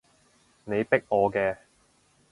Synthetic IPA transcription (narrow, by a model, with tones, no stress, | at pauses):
ne˨˧jpɪ˥k̚ɔː˨˧kɛː˧